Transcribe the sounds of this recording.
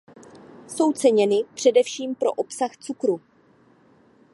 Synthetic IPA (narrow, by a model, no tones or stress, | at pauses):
so̞wt͡sɛɲɛnɪpr̝̥ɛdɛfʃiːmpɾo̞̰ʔo̞psaxt͡sukɾu